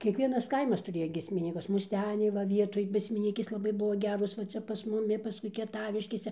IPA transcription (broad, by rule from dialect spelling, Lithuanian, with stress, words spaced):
kʲiɛkˈʋʲiɛnɐs ˈkɐɪmɐs tʊˈrʲeːjɛ ɡʲiɛsʲmʲɪˈnʲiːkʊs mʊsʲˈtʲæːnʲɛɪ ʋɐ ˈʋʲiɛtoːj ɡʲiɛsʲmʲɪˈnʲiːkʲeːs lˠɐˈbɐɪ ˈbʊʋoː ˈɡʲæːroːs ʋɐ ˈt͡sʲɛ pɐs mʊˈmʲɪ pɐˈskʊɪ kʲiɛˈtɑːʋʲɪʃʲkʲeːsʲɛ